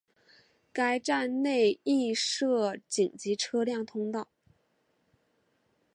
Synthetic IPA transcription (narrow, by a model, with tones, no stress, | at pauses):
ka˥ɪʈ͡ʂa˥˧nne˥˧ɪi˥˧ʂɤ˥˩t͡ɕi˨˩ŋt͡ɕi˧˥ʈ͡ʂʰɤ˥ljɑ˥˩ŋt̪ʰʊ˥ŋt̪ɑ˥˩ʊ